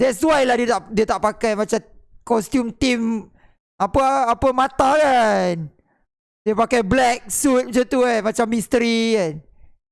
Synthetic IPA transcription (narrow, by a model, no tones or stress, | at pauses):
dɛtswajlahdiət̪aʔdiət̪aʔpakajmat͡ʃakɔst̪jumt̪im | apəapəmãt̪akan | diəpakajblɛk̚sut̪̚mat͡ʃat̪ukamat͡ʃamːist̪əɾikan